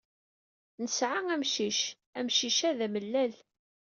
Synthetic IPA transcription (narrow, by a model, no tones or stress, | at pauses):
nəsʕaŋæmʃiʃ | æmʃiʃæðæməlːæl